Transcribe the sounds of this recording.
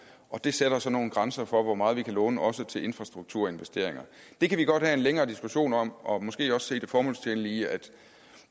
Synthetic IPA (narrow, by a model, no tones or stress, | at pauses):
ʔɒ̽d̥e̝seɾ̥ɐsɒ̽no̝ːn̩ɡ̥ʁɑnsɐfɒ̽ʋɒmɑ̈ːð̞̩ˠʋikʰælɔ̽ːnəʔɒ̽sət͡sʰe̝lʔe̝nfʁɑ̈sd̥ʁuɡ̥̚t͡sʰuɐ̰e̝nʋesd̥e̝̰ɐ̰eŋɐ | d̥e̝kʰæʋiɡ̥ɒ̽d̥hæe̝nleŋɐːd̥isɡ̥uɕo̝̰ːnɒ̽m̰ʔɒ̽mɒ̽sɡ̥e̝̰ːɒ̽sse̝̰ːd̥e̝fɒːmɔ̽lst͡sʰenliːæd̥